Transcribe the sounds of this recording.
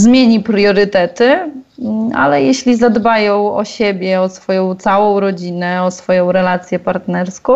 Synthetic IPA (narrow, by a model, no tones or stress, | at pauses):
zmʲjeɲipɾjɔɾɘt̪ɛt̪ɘ | a̰lɛjɛɕlʲizad̪bajɔ̃w̃ɔ̰ɕebʲjɛɔsfɔjɔ̃w̃t̪sawɔ̃w̃ɾɔd͡ʑinɛɔsfɔjɔ̃w̃ɾɛlat̪sʲjɛpaɾt̪nɛɾskɔ̃w